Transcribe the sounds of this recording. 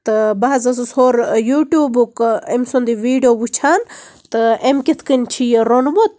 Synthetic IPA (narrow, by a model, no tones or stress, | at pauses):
t̪ɨbaɦzɐs̬ushoɾjuːʈjuːbukemsond̪iʋiːɖijoːbut͡ʃʰaːnt̪ɨemkʲit̪ʰkənʲt͡ʃʰijɾonmot̪̚